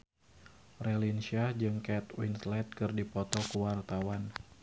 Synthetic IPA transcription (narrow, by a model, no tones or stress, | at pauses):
relinsiad͡ʒɨŋkɛt̪wint̪lɛt̪̚kɨrdipɔt̪ɔkuwart̪awan